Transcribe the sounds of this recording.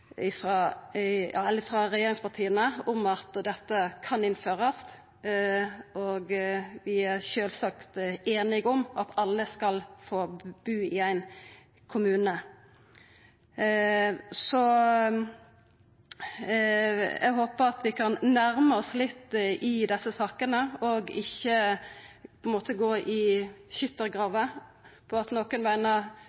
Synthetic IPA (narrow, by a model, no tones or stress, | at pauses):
ɪfɾɑ | jɑ̰ːɛləɾɪfɾɑɾɛjeːɾɪŋspɑt̪ʰiːənəʊmɑt̪d̪ɛt̪ːəkʰɑnɪnføːɾəst̪ | oːɡʋɪæɾʃøːlsɑkt̪eːnɪɡʊmɑt̪ʰɑlːəskɑlfoːb̥ʉːɪæɪn | kʰʊmʉːnə | sɔ | jʔæ̰ɡɦoːpəɾɑt̪ʋɪkʰɑnnæɾməɔslɪt̪ːʔɪd̪ɛsːəsɑːkənəɔɡɪçːə | pʰɔɪnmoːt̪əɡoːʔɪçʏt̪ːəɾɡʁɑːʋə | pʰɔɑt̪noːkənʋæɪnə